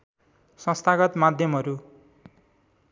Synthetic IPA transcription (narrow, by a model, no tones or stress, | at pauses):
sʌ̃st̪ʰaɡʌt̪mad̪ʱjʌmɦʌɾu